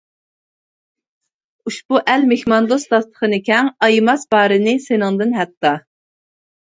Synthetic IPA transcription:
uʃbuʔælmexmɑnd̪osd̪ɑst̪ʰə̥χənɨkʲʰɛŋɑjɨmɑsbɑːɾɨnɨsenɨŋd̪ɨnɦɛt̪ːɑ

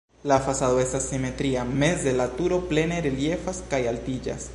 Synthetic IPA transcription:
lafasaðo̞e̞stasːime̞t̪ɾiame̞sd̪elat̪uɾo̞ple̞neɾelje̞faskajaltid͡ʒa̰s

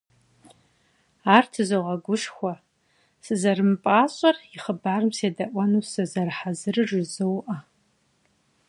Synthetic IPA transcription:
aːrtʰɨzoʁɐɡʷʊʂxʷɔ | sɨzɐrɨmpʼaːɕʼɐriχəbaːrɨmseːdɐʔʷɐnusɐzɐrħazɨrɨʐʷɪzɨwʔɐ

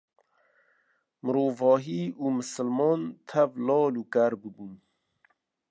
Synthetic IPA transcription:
mɾoːvɔːɦiːumɨsəlmɔːnt̪ʰavlɔːluːkaɾbɨbun

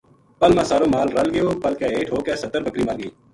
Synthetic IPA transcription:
pəlmãːsaːɾõːmaːlɾəlɡəjoːpəlkeːeːʈʰɦoːkeːsət̪ːəɾbəkɾiːməɾɡiː

